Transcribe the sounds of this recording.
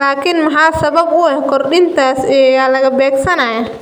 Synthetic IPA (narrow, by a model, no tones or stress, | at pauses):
laːkʰɪnmɐħɑːsɐβɐbʊɛhkʰɔrɗɪnt̪ʰaːsɛjaːlɐɣɐbɛːɡsɐnaːjaː